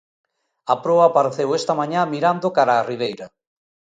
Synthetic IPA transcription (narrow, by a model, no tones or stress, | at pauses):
apɾɔapaɾθewest̪ɐmaɲamiɾand̪okaɾaːriβ̞ejɾɐ